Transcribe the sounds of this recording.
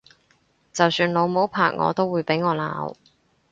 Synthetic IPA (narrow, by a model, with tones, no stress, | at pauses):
t͡sɐ˨wsyː˧nlo˨˧wmo˨˥wpʰa̰ː˨˩k̚ŋʔɔ̰ː˨˧t̪o˥wːuː˨˧jpe˨˥jŋɔː˨˧la̰ː˨˧˥w